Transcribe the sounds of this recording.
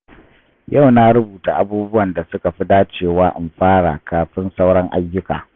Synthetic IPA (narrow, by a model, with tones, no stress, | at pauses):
ja˦˨wna˦ɾʊ˦buː˨ta˨ʔa˦buː˦bʊ˦wɐ˨nda˨sʊ˦ka˨ɸi˦daː˦t͡ʃeː˦˨waː˦ʔɪ˨mɸaː˦ɽa̰˨kʰaː˨ɸɪ˦nsa˦wɽɐ˦ŋʔa˦jːʊ˦ka̰ː˨